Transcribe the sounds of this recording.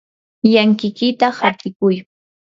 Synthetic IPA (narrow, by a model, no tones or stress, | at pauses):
jaŋkɪkɪt̪ahat̪ɪkʊj